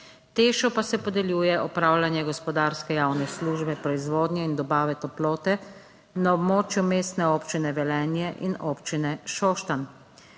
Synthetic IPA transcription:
t̪eːʃɔpasɛpɔd̪ɛljuːjɛʔɔpɾaːwlanjɛɡɔspɔd̪aːɾskɛjaːwnɛsluːʒbɛpɾɔizʋoːd̪njɛind̪ɔbaːʋɛt̪ɔploːt̪ɛ | naɔbmoːt͡ʃjumeːst̪nɛoːpt͡ʃinɛʋɛlɛːnjɛʔḭnɔːpt͡ʃinɛʃɔːʃt̪an

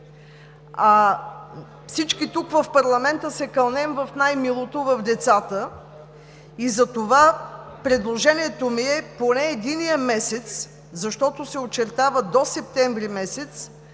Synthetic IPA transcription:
a | fsit͡ʃkit̪ukvɐfpɐɾlˠɐmɛnt̪əsɛkɐlˠnɛmvəfnajmilˠot̪ovɐfd̪ɛt̪sat̪ə | izɐt̪ovapɾɛd̪lˠoʒɛniɛt̪omiɛponɛːd̪inijəmɛsɛt̪s | zɐʃt̪ɔt̪osɛot͡ʃɛɾt̪avəd̪osɛp̚t̪ɛɱvɾimɛsɛt̪s

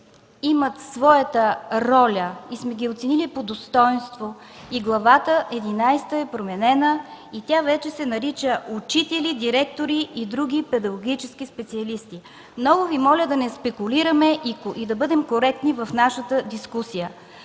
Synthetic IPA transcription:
imət̪svɔjət̪əɾɔlʲəismɛɡʲiot̪sɛnilipod̪ost̪ɔjnst̪vo | iɡlˠɐvat̪əʔɛd̪inajst̪əɛpɾomɛnɛnəit̪ʲavɛt͡ʃɛsɛnɐɾit͡ʃəʔut͡ʃit̪ɛlid̪iɾɛk̚t̪oɾiːd̪ɾuɡ̟ʲipɛd̪ɐɡoɡit͡ʃɛsk̟ispɛt̪siɐlist̪i | mnɔɡʊvimɔlʲəd̪ɐnɛspɛkʊliɾəmɛid̪ɐbɤd̪ɛmkoɾɛk̚t̪nivɐfn̪aʃət̪əd̪iskusijə

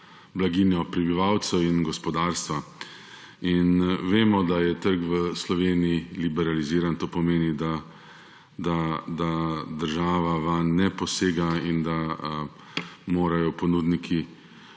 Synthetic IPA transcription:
blaɡiːnjɔpɾɛbiʋawt̪sɛwinɡɔspɔd̪aːɾst̪ʋa | inʋeːmɔd̪ajɛt̪əɾɡʋəslɔʋeːnijilibɛɾaliziːɾant̪oːpɔmeːnid̪a | d̪ad̪ad̪əɾʒaːʋaʋanːɛpɔseːɡaind̪a | moːɾajɔpɔnud̪nikʰi

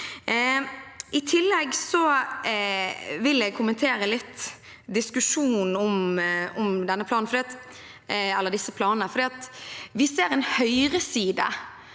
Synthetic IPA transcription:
ɪt̪ʰɪlːɛɡsɔ | ʋɪlɛɡ̚kʰʊmənt̪ʰeːɾəlɪt̪ː | d̪ɪskʉʂuːnn̩ɔmɔmd̪ɛnːəpʰlɑːnn̩fɾd̪iːɑt̪ | ɛlːəʁd̪ɪsːəpʰlɑːnənəfɔɾd̪iːɑt̪ʋɪseːɾɛnhœʏɾəsiːd̪ə̰

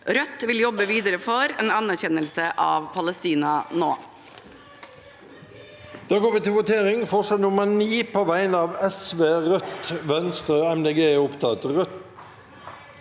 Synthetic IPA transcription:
ɾœt̪ʋɪljɔbəʋiːd̪əɾəfɔɾeːnɑnæɾçɛnəlsəʔɑ̰ːʋpʰɑləst̪iːnɑno̰ː | d̪̥ɑːɡoːʋɪːt̪ɪlʋʊt̪ʰeːʁɪŋfɔʂənʊməniːpʰoːʋæɪnəɑːʋɛsʋeːʁœt̪ʋɛnst̪ʁəɛmd̪eɡeːʊpt̪ʰɑt̪ʁœt̪

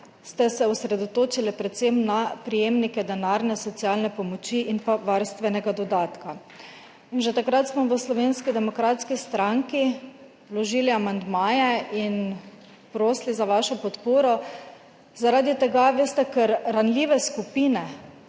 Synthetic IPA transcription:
st̪ɛsɛusɾɛd̪ɔt̪oːt͡ʃilɛpɾɛt̪semnapɾijeːmnikɛd̪ɛnaːɾnɛsɔt̪siaːlnɛpɔmɔt͡ʃiʔinpaʋaɾst̪ʋɛnɛɡad̪ɔd̪aːt̪ka | inʒɛt̪akɾat̪smɔʋəslɔʋenskid̪ɛmɔkɾaːt̪skist̪ɾaŋki | wlɔʒiliamand̪maːjɛin | pɾoːslizaʋaʃɔpɔt̪poːɾɔ | zaɾaːd̪it̪ɛɡaʋest̪ɛkɛɾːanlʲiːʋɛskupiːnɛ

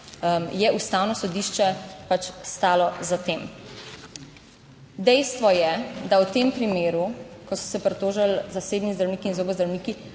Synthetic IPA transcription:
jɛʔust̪aːwnɔsɔd̪iːʃt͡ʃɛpat͡ʃst̪aːlɔzat̪eːm | d̪ɛjst̪ʋɔjɛd̪awt̪eːmpɾimeːɾukɔsɔ̥sɛpɾɛt̪oːʒalzaseːbnizd̪ɾawniːkiːnzoːbɔzd̪ɾawniːki

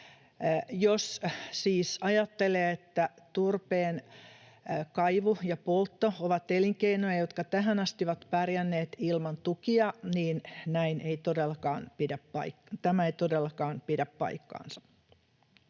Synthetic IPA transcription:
jossiːsɑjɑt̪ːeleːet̪ːæ | t̪urpeːn | kɑiʋujɑpolt̪ːooʋɑt̪eliŋkeinojɑjot̪kɑt̪æɦænɑst̪iʋɑt̪pærjænːeːt̪ilmɑnt̪ukiɑniːnnæinʔeit̪odelːɑkɑːnpidæppɑ̰ikt̪æmæeit̪odelːɑkɑːnpidæppɑ̰ikːɑ̰ːnsɑ̥

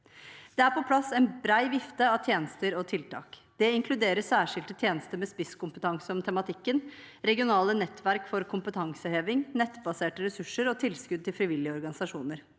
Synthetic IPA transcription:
d̪̥ɛæɾpɔpʰlɑsɛnbɾæɪʋɪft̪əɑʋt̪ʰjeːnəst̪əɾɔt̪ʰɪlt̪ʰɑ̰ːkd̪̥ɛɪŋkʰlʉd̪eːɾəssæːʂɪlt̪ət̪ʰjeːnəst̪əmɛspɪskʊmpət̪ʰɑŋsəɔmt̪ʰɛmɑt̪ʰɪkːən | ɾɛɡɪʊnɑːlənɛt̪ːʋæɾkfɔɾkʰʊmpət̪ʰɑŋsəheːʋɪŋnɛt̪ːbɑseːʈəɾɛsʉʂəɾɔt̪ʰɪlskʉd̪̚t̪ɪlfɾɪʋɪlːɪəɔɾɡɑnɪsɑʂuːnəɾ

